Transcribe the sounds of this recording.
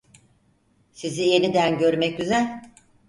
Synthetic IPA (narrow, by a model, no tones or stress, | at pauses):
sizije̞nid̪ænɟøɾmɛc̚ɟyzælʲ